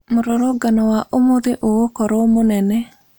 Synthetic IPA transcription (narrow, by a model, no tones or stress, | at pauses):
moɾoɾoɡanɔwaʔomoðeʔookɔɾɔmonɛnɛ